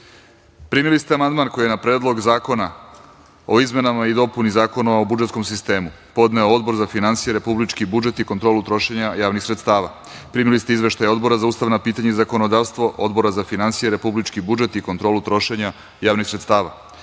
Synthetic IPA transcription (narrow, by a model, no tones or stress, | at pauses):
pɾiːmilist̪eamand̪maːnko̞jijenapɾe̞ːd̪lˠo̞ɡzaːko̞na | o̞izme̞namaid̪o̞punizaːko̞noobud͡ʒet̪sko̞msist̪e̞ːmu | po̞d̪ne̞ood̪bo̞ɾzafinantsijeɾe̞publit͡ʃkibud͡ʒe̞t̪iko̞nt̪ɾo̞ːlut̪ɾo̞ʃe̞ɲajaːʋnixsɾe̞t̪st̪aːʋa | pɾiːmilist̪eizʋe̞ʃt̪ajo̞d̪bo̞ɾazauːst̪aʋnapiːt̪aɲeizako̞no̞d̪aːʋst̪ʋo̞ʔo̞d̪bo̞ɾazafinansijeɾe̞publit͡ʃkibud͡ʒe̞t̪iko̞nt̪ɾolut̪ɾo̞ʃe̞ɲa | jaːʋnixsɾet̪st̪aːʋa